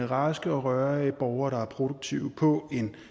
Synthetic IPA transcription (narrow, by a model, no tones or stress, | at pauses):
əʁɑ̰̈ːsɡ̥əɒ̽ʁɶɐb̥ɒʊɐːɾ̥ɑ̈æɐpʰʁo̝doɡ̥̚t͡sʰiʊ̰pʰɒ̽e̝n